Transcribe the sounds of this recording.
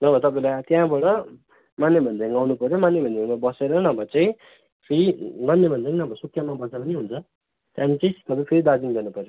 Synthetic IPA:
nʌbʌt̪ʌpaĩlat̪jãbʌɽʌ | manːebʱʌnd͡zajŋɡawnupʌɾjomanːebʱʌnd͡zemabʌseɾʌnʌbʱʌt͡saĩ | pʰeɾimanːebʱʌnd͡zainʌbʱʌsukʰjʌmːabʌt͡sapʌniɦunt͡sʰʌ | t̪jãnit͡saĩt̪ʌpaĩpʰeɾid̪ad͡zinɡʌnupʌɾjo

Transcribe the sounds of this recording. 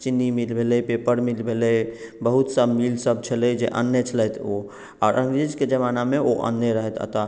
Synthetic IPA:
t͡ʃinːimilbʱelɛjpepəɾmilbʱeləjbəɦut̪səmilsəb̚t͡ʃʰəlɛjd͡ʒḛʔə̰nːət͡ʃʰələjt̪ʰo | aɾʔəŋɡɾid͡ʒked͡ʒəmanameoʔə̰nːəɾəɦɛt̪ʰə̰t̪a

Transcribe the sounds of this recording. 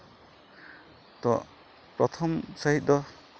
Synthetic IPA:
t̪ɔ̰ | pɾɔt̪ʰɔmsaɦit̪̚ˀd̪ɔ

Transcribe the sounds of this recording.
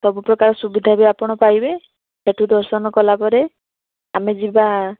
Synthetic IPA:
sɔbupɾɔkaɾɔsubid̪ʱabeapɔɽ̃ɔpajbe | seʈʰud̪ɔɾsɔnɔkɔlapɔɾe | amed͡ʒiba

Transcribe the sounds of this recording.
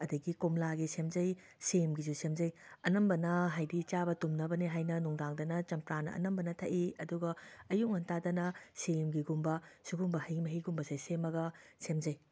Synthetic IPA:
ɐdɐɡikumlaɡisemd͡ʒɐj | semɡizusemd͡ʒɐjɐnɐmbɐnɐɦajdit͡ʃabɐtumnɐbɐniɦajnɐnuŋdaŋdɐnɐt͡ʃɐmpɾanɐ̰ʔɐ̰nɐmbɐnɐtʰɐʔiɐduɡɐːjuŋɐntadɐnɐsemɡiɡumbɐsuɡumbɐhɐjmɐɦiɡumbɐsejsemɐɡɐsemd͡ʒɐj

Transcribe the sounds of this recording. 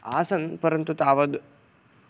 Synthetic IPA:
a̰ːsɐnpɐɾɐnt̪ut̪aːʋɐd̪

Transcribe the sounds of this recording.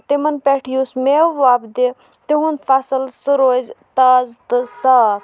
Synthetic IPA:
t̪imɐnpeʈʰjusmeʋːaːbd̪e | t̪eɦunfʰasəlsɨɾoːzʲt̪aːzt̪ɨsaːɾ

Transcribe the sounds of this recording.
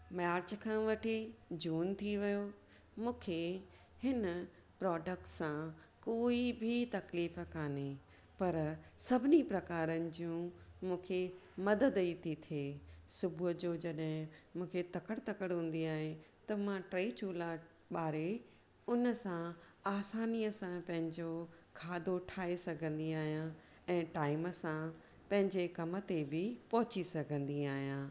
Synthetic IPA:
maːɾt͡ɕkʰãːʋɐʈʰid͡ʑuːnt̪ʰiʋɐjo | mũːkʰe | hɪn | pɾɔːɖək̚ʈsã | koːibʱit̪ɐkliːfkaːne | pɐɾsɐbʱɪnipɾɐkaːɾənɪ̆d͡ʑiũmũːkʰemɐd̪əd̪iːt̪ʰit̪ʰieːsʊbʱʊd͡ʑoːd͡ʑɐɗɦɪ̃mũːkʰet̪ɐkəɽt̪ɐkəɽɦũːn̆d̪iaːɦẽt̪ɐmãʈɾeːt͡ɕuːla | ɓaːɾe | ʊnəsãaːsaːniəsãpɐ̃ɦɪ̃ɲd͡ʑokʰaːd̪oʈʰaːesɐɡʱə̃nd̪iaːɦijã | ɛ̃ːʈaːɪməsã | pɐ̃ɦɪ̃ɲd͡ʑekɐmə̆t̪ebɪpɐɦʊt͡ɕisɐɡʱə̃nd̪iaːɦijãː

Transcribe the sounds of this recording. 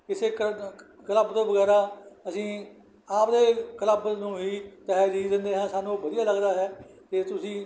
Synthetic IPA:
ɪseːk | kələbt̪õːʋəɡɛːɾaːəsĩː | aːpd̪eːkələbnũːɦiːt̪ɛɦd͡ʒiːd̪ɪnd̪eːɦãːsaːnũːbəd̪ijaːləɡd̪aːɦɛːt̪eːt̪ʊsĩː

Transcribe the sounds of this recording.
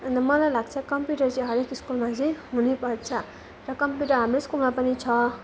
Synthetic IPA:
ʌnd̪ʌmʌlajlaɡ̚t͡sʰʌkʌmpjuʈʌrt͡sãɦʌɾekiskulmat͡sʌ̃jɦunipʌrt͡sʰʌ | rʌkʌmpjuʈʌɾɦamɾeskulmapʌnit͡sʰʌ

